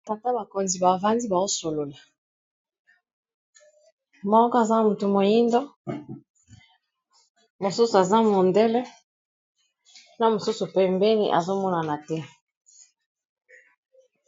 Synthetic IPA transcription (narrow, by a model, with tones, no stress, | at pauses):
ta˨ta˦ba˨ko˨nzi˨ba˨va˦ndi˦ba˨o˦so˨lo˨la˨ | mɔ˦kɔ˦a˨za˦mu˨tu˨mo˨ji˦ndɔ˦ | mo˨su˦su˨a˨za˦mɔ˨ndɛ˦lɛ˦ | na˨mo˨su˦su˨pɛ˨mbɛ˦nḭ˦ʔa̰˨zo˦mɔ˦na˨na˨tɛ˦